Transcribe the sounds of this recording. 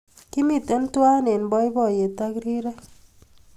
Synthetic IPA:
kɪ˦mi˨tɛ˦n˦twa˦ne˨nbɔ˦ɪ˦bɔ˦˨je˨ta˦kɾi˦ɾɛ˦

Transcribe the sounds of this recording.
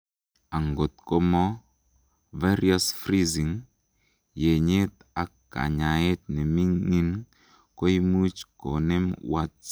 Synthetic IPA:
a˨ŋɡo˨t̪̚ko˦mɔ˦ | ve˦ɾi˦a˦sfɾi˦zi˨ŋ | je˨ɲe˦t̪ | a˨kkːa̰˨ɲa˨je˦t̪̚ne˨mi˦ŋːi˦n | ko˦i˦mu˦t͡ʃko˨ne˦mwa˦t͡s

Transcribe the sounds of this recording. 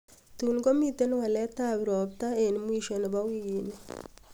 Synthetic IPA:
t̪unɡɔ˦mit̪e˦nwa˨lɛ˦t̪abɾɔbt̪ae˨nmu˦iʃɔn˨ba˦wini

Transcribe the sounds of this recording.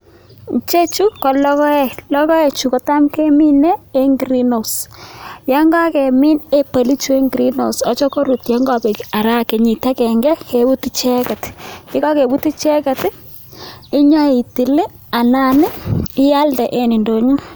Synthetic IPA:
t͡ʃe˦t͡ʃu˦kɔ˨lɔ˦kɔ˦ɛ˨lɔ˦kɔ˦e˨t͡ʃu˨kɔ˨ta˦mke˦mi˦nɛ˦e˦ŋɡɾi˦no˨sja˦ŋɡa˦kɛ˨mi˦ne˦pa˨li˦t͡ʃu˦e˦ŋɡɾi˦no˨sɔ˦t͡ʃɔ˦ko˦ɾu˨tja˦ŋɡa˨be˨ka˨ɾa˦ke˨ɲi˨ta˦kɛ˨ŋɡɛ˦ke˨bu˦ti˦t͡ʃɛ˦kɛ˨tkɪ˦ka˦ke˨bu˦ti˦t͡ʃɛ˦kɛ˨t | ɪ˦ɲɔ˦i˨ti˨lɪ˦ | a˨na˦˨nɪ˦ɪ˦ja˦ltɛ˨ʔe˨ni˨ndo˨ɲu˦

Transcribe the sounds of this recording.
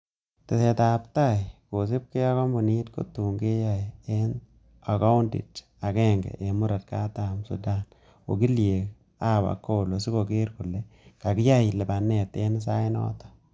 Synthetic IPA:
te˨se˨ta˨pta˦˨jko˨sɪ˦p̚ke˦a˦kɔ˦mbu˨ni˦tko̰˦tu˨ŋɡe˦ja˦e˦n | a˨ka˦ʊ˦ndḭ˨t | a˨kɛ˦ŋɡɛ̰˨ʔe˨mʊ˦ɾa˨t̚ka˦ta˨msṵ˨da˨n | o̰˨k̬i˦lje˨k̚ | a˦˨ba̰˨kːo˦˨lo˨si˦ko˨ke˦ɾkʊ˨lɛ˦ka˨kɪ˦ja˦jɪ˨lɛ˨ba˨nːɛ˨te˦n˦s̬a˦ɪ˦nɔ̰ː˦tɔ̥˨

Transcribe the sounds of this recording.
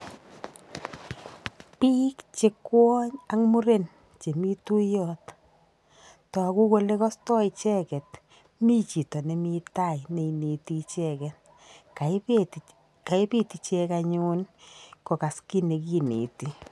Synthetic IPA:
pi˦kt͡ʃe˦kwɔ˦ɲa˦ŋmu˦ɾe˦n | t͡ʃe˨mi˦tu˦jɔt | tɔ˨a˨ku˦ko˦le˦kɔ˦stɔ˦i˨t͡ʃɛ˦kɛ˨t | mi˦t͡ʃi˨tɔ˨ne˨mi˧ta˦jne˨ine˨ti˧t͡ʃɛ˦kɛ˨t | ka˨ | ka˨e˦pi˦ti˨t͡ʃɛ˧ka˧ɲu˦nko˨ka˨ski˦ne˨kinḛ˨ti˨

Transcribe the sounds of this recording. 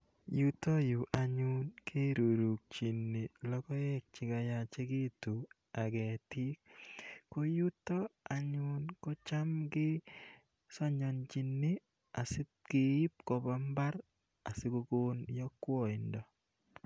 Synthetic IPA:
ju˦to˦ju˨ʔa˨ɲu˦nkʰe˦ɾu˨ɾu˨k̚t͡ʃi˨nːi˨lɔ˦kɔ˦ɛ˦k̚t͡ʃɪ˨ɡa˨ja˨t͡ʃe˦ɡi˦tu˨ | a˨ɡɛ˨ti˦kː | o˦ju˦tɔ˦a˨ɲʊ˦nko˦t͡ʃa˦mɡɪ˦ | sɔ˦ɲɔ˨nt͡ʃi˨nːi˦ | a˨sɪ˦t̚ɡ̥e˨i˦pkɔ˨ba˦mba˦ɾ | a˨sɪ˦ɡo˦ɡo˦njɔ˦kwɔ˦˨ɪ˨ndɔ˨

